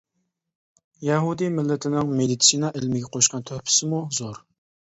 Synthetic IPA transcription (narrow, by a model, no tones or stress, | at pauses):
jɛɦud̪imɪlːɪt̪ʰɪnɪŋmed̪it̪sinɑʔɪlmɪɡʲɛqʰoʃqɑnt̪ʰøhpʰɪ̥sɪmuzoɾ